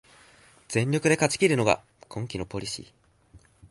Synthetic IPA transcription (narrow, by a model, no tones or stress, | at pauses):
z̥ẽ̞ɲʲɾʲo̞kɯ̟d̪e̞kat͡ɕi̥kʲiɾɯ̟no̞ɡa̰ | kʰõ̞ŋkʲino̞po̞ɾʲiɕḭː